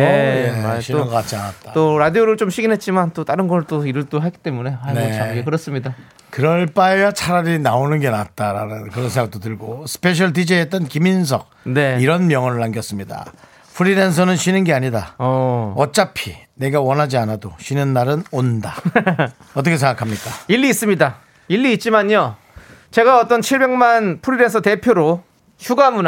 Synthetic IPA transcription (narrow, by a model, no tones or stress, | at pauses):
eeɕʰiɯnŋɡʌk͈at̚t͡ɕ͈ʰianat̚t͈at͈oɾadioɾɯɭt͡ɕomɕʰiɡinɦe̞t̚t͡ɕ͈imant͈ot͈aɾɯnɡʌɾɭt͈oiɾɯɭt͈oɦaɡit͈e̞mune̞aneaaɡekɯɾʌs͈ɯmɲida | kɯɾʌɭp͈aejat͡ɕʰaɾaɾinaonɯnɡe̞nat̚t͈aɾanɯnkɯɾʌns̬ʰeŋɡak̚t͈otɯɭɡosʰɯ̥pʰe̞ɕ̬ʰʌɭdid͡ʑeɦet͈ʌnkimins̬ʰʌɡ̚neiɾʌnmjʌŋʌnɯɭːaŋɡjʌs͈ɯmɲida̰ | pʰuɾiɾens̬ʰʌnɯnɕʰinɯnɡe̞aɲida | ʌt͡ɕ͈apʰine̞ɡawʌnɦad͡ʑianadoɕʰɥinɯnmaɾɯnonda | ʌt͈ʌkʰesʰeŋɡakʰamɲik͈aiɭːiːs͈ɯmɲida | iɭːiːt̚t͡ɕ͈imaɲo | t͡ɕe̞ɡaʌt͈ʌnt͡ɕʰiɭbe̞ŋmanpʰuɾiɾe̞nsʰʌte̞pʰjoɾo | ɕʰuɡamun